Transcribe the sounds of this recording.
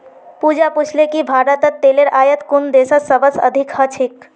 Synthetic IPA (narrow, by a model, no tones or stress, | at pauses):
puːd͡ʒapʊt͡ʃʰlekibʱaːɾət̪ət̪ːeːleɾaːjət̪kʊnd̪eːsəsəʋəsə̰d̪ʱɪkhət͡ʃʰɪk